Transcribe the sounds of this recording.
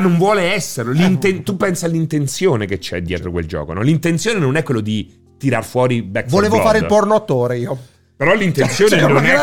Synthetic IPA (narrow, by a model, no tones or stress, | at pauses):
nːoɱvwɔːleɛsːeɾlolint̪ent̪upːɛnsialːint̪ent̪sjoːneket͡ʃːɛ̰d̪jɛ̰ːt̪ɾokwḛld͡ʒɔ̰ːko̰nɔlint̪ent̪sjoːnenonɛkwelːod̪i | t̪iɾarfwɔːɾibɛkfvoleːvofaːɾeilpɔrnoat̪ːoːɾeiːo | peɾɔlint̪ent̪sjoːnenonɛ